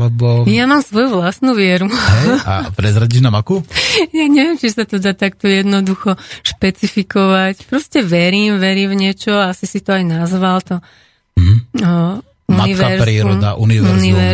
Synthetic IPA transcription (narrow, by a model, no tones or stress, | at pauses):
lɛbɔjamaːmsʋɔjuʋlasnuʋɪɛɾuɦɛja̰pɾɛzɾaɟiʒnamakujaɲɛʋɪɛmt͡ʃisat̪ɔd̪aːt̪ak̚t̪ɔjɛd̪nɔd̪uxɔʃpɛt͡sifikɔʋacpɾɔscɛʋɛɾiːmʋɛɾiːmvɲɪɛt͡ʃɔasisit̪ɔajnazʋalt̪ɔ | ɦ | umaniʋɛɾpɾiːɾɔd̪aʔuniʋɛuniʋɛɾ